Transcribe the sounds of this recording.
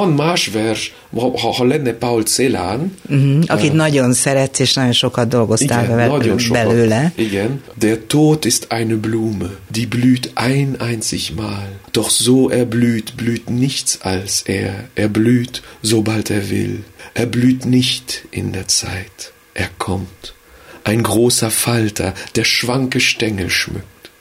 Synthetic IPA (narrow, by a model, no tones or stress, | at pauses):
fɔnmaʃvɛʃ | hɔlɛnəpaʊlt͡selanm̩hm̩ʔokeːnɔdonsɛɾɛt͡sɪʃnɔʃokɔdoɡʊstavɛɛbɛløləɡɛndeːɐtʰoːtʰɪstʰʔaɪnəbluːmədiːblyːtʔaɪnʔaɪnt͡sɪ̰çmaːld̥ɔχz̥oːʔeːɐblyːtb̥lyːtnɪçt͡salsʔeːɐʔeːɐblyːtzobalteːɐvɪ̰lʔeːɐblyːtnɪçtʔɪ̰ndeːɐt͡sa̰ɪt | ʔeːɐkʰɔmt | ʔaɪnɡʁoːsɐfaltʰɐ̰d̥eːɐʃv̥aŋkəʃtɛŋəʃmʏ̰k̚t